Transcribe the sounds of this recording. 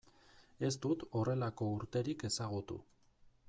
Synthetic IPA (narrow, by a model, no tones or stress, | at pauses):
e̞st̪ut̪o̞re̞lako̞uɾt̪e̞ɾike̞saɣut̪ṵ